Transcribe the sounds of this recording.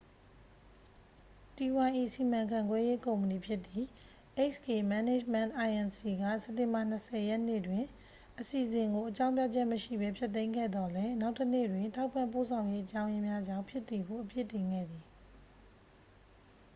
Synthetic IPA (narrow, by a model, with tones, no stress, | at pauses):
ti˨wã˨ʔi˨si˨mã˨ŋkʰã˨ŋɡwɛ˦je˦kõ˨mə˨ni˨pʰjɪ˦ʔt̪ːi˨ | ʔe˦ke˨ma˦ne˦˨d͡ʑmɛ̰̃˦˨nʔa˨ɪʔɛ̃˨nsi˨ɡä̰˦˨sɛ˦tːɪ̃˨mba˨n̥əsʰɛ˨jɛ˦n̥ḛ˦˨dwɪ̃˨ | ʔəsi˨ʔəzɪ̃˨ŋɡo˨ʔət͡ɕã˦ʊ̃p̬ja˦˨d͡ʑɛ˦ʔməʃḭ˦˨bɛ˦pʰjɛ˦t̪̬ːẽ˦ɪ̃ŋɡɛ̰˦˨d̪ɔ˨lɛ˦na˦ʊtːənḛ˦˨dwɪ̃˨ntʰa˦ʊpːã˦˨mpo˦˨sʰã˨ʊ̃je˦ʔət͡ɕã˦ʊ̃jɪ̃˦mja˦d͡ʑã̰˦˨mpʰjɪ˦ʔt̪ːi˨ɡo˨ʔəpjḛ˦˨tːɪ̃˨ŋɡɛ̰˦˨d̪ði˨